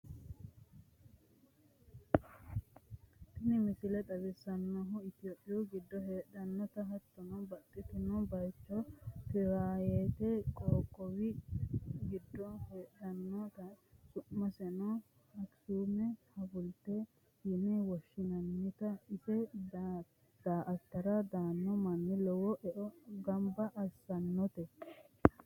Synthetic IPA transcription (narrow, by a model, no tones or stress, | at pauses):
t̪ɪnɪmɪsɪlɛt̪ʼɐbɪsɐnːɔɦʊɪt̪ɪoːpʼːɪjuɡɪd̪ːɔɦeːᶑɐnːɔt̪ɐɦɐt̪ːɔnɔbɐt̪ʼːɪt̪ɪnɔbɐjt͡ʃːɔtɪɾaːjeːt̪ɛkʼoːkʼːɔwɪ | ɡɪd̪ːɔheːᶑɐnːɔt̪ɐkʊʔmɐsɛnɔ | ɐksuːmɛhɐfʊlt̪e | hɪnɛwɐʃːɪnɐnːɪt̪ɐɪsɛ | d̪̥aːʔɐt̪ːɐɾɐd̪aːnːɔmɐnːɪlɔwɔʔɛʔɔɡɐmbɐʔɐsɐnːɔt̪ɛ